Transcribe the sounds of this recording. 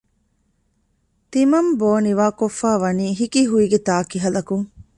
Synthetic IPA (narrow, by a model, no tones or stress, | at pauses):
t̪imɐmboːniʋaːkofːaːʋɐniːɦikiɦuiɡet̪aːkiɦɐlɐkuŋ